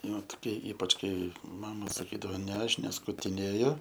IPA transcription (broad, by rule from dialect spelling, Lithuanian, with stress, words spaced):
ˈnʊ toːˈkʲiɛ ˈiːpɐt͡ʃ ˈkɐɪ ˈmɑːmɐ sɐˈkʲiːdɐʋoː nʲɛ ˈɐʃ nʲɛskʊtʲɪˈnʲeːjʊ